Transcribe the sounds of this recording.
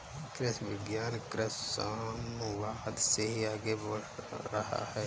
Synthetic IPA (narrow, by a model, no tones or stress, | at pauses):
kɾɪsʋɪɡjaːnkɾɪssaːmwaːd̪seɦiaːɡebəɽɾɐha̰hɛː